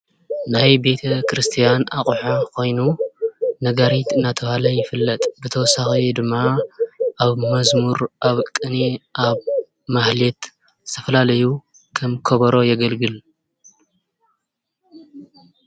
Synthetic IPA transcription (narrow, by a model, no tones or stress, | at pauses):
najbe̞t̪ʰɐkɾɨst̪ʰijanaχʼħakʰo̞jnu | nɐɡaɾit̪ɨnːat̪ʰɐβalɐjɪfɨlːɐt̪ʼbɨt̪ʰɐwɔsːaxid̪ɨmːa | ʔaβmɐzmuɾʔaβkʼɨniʔaβ | mahlet̪ | t̪ʰɐfɐlalɐju | kʰɐmkʰɐβɐɾo̞jɛɡɐlɡɨl